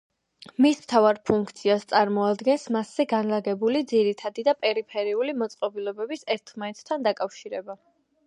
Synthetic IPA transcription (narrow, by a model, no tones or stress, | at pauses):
mismt̪ʰavaɾpʰuŋkʰt̪sʰiast̪sʼaɾmɔad̪ɡɛnsmasːɛɡanlaɡɛbulid̪ziɾit̪ʰad̪id̪apʼɛɾipʰɛɾiulimɔt̪sʼqʼɔbilˠɔbɛbisɛɾt̪ʰmait̪ʰt̪ʰand̪akʼafʃiɾɛba